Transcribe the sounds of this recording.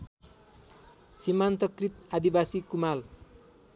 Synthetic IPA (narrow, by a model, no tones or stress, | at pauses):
simant̪ʌkrit̪ad̪ibasikumal